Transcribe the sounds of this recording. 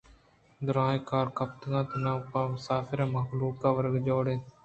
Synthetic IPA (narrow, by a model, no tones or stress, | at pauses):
d̪ʊɾaːekaːɾkɐp̚t̪ɡãːt̪ɪnãːʊpãːmʊsaːfɪɾãːmɐɦbluːkkaːʋəɾɡd͡ʒoːɽeː